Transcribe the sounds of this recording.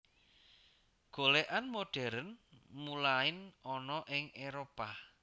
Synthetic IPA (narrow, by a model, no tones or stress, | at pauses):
ɡ̥oleʔanmoɖ̥ɛ̤ɾənmulaɪnɔnɔʔɪŋeɾopa